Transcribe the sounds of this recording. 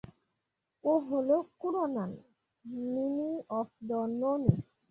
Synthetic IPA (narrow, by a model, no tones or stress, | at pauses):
oɦolokuɾɔnan | miniɔfdɔnoni